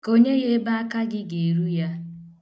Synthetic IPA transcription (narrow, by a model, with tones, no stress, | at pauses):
ko˦ɲe˦ɣe˦ba˦a˦ka˦ɡɪ˦ɡe˨ɾu˦ja˦